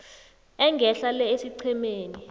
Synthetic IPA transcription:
ɛŋɡʱɛɬalɛesiǀʰɛmeːni

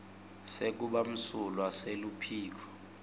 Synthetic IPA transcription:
sek̬uɓam̩sulwaselupʰiːk̬ʰɔ̥

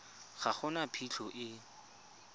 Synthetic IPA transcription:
χaχʊnapʰiɬɔʔɪ

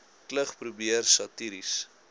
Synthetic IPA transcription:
kləχpɾubiərsɐtiɾis

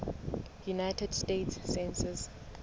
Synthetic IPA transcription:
junajtʰɛdstetsːɛ̃nsɛs

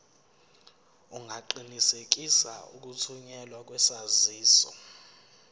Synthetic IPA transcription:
uŋʱaǃinisek̬isa̰ṵk̬utʰuɲɛlwak̬ʼwɛsaziːsɔ̰

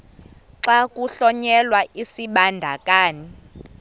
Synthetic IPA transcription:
ǀakʼuɬɔɲɛlwaʔisiɓandʱa̰kʼaːni

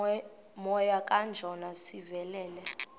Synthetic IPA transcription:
mɔjakʼand͡ʒʱɔnasivɛlɛːlɛ

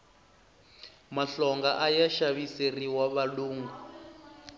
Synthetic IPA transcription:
maɬɔŋɡaʔajaʃaβiseriwaβaluːŋɡu

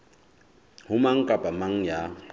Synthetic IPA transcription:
hʊmaŋ̩kʼapʼamaŋ̩ja

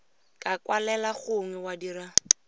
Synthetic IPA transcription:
kʼakʼwalɛlaχʊŋwɛwadira

